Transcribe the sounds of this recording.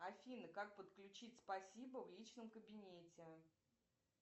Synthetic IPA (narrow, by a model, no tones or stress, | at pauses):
ɐfʲinɨkak̚pət̪klʲʉt͡ɕitʲspɐsʲibəvlʲit͡ɕnəmkəbʲɪnʲetʲɪ